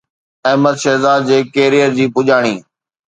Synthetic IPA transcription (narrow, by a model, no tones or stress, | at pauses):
ɛɦməd̪ʃɛːzaːd̪̚d͡ʑeːkeːɾijəɾd͡ʑiːpʊʄaːɽ̃iː